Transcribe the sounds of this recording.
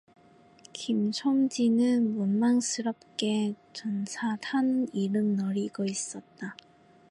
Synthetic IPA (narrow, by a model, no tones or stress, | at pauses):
kimt͡ɕʰomd͡ʑinɯnmunmaŋsʰɯɾʌp̚k͈e̞tɯnsʰatʰaniɾɯmnʌɾiɡʌis͈ʌt̚t͈a